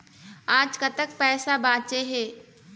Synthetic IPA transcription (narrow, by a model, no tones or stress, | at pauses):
aːd͡ʒkat̪ək̚pɛːsabãːt͡ʃeɦeː